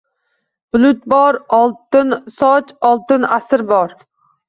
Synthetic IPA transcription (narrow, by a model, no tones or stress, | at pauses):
b̥ʊlˠʊt̪̚bɒɾɒlˠt̪ɪnsɒt͡ʃɒlˠt̪ɪnasɪɾbɒɾ